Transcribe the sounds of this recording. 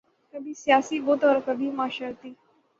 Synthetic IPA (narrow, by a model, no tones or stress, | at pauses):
kəbʱiːsjasiːbot̪ʋəɾkəbʱimaːɕalt̪iː